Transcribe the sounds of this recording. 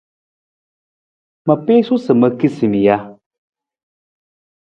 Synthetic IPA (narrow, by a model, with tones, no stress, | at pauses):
mə˨pe˦su˦sə˨mə˨ki˦si˨mi˨ja˦